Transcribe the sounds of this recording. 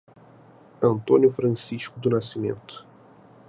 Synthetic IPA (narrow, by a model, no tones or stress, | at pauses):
ɐnt̪onʲjufɾansiʃkud̪unasimḛnt̪